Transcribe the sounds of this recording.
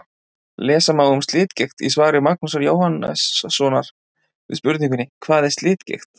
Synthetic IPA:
lɛːsamawʏmst̪lɪːt̪cext̪ḭsvaːɾɪmak̚nusaɾjoːwhanɛ̰ssɔːnaɾ̥ | vɪ̰ðspʏɾt̪niŋk̬ʏnːɪkʰvaːðɛst̪lɪːt̪cḛjxt̪

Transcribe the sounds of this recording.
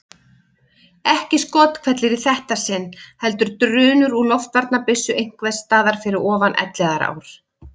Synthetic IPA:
ɛhcɪskɔːt̪kʰvɛt̪lɪɾiθɛht̪asɪnːhɛl̪t̪ʏɾ̥t̪ɾʏːnʏɾulɔft̪vaɾt̪napɪsːʏʔejŋ̥kvɛst̪aːðaɾ̥fɪɾɪɾɔːvanʔɛ̰t̪lɛɣaɾa̰ːwɾ̥

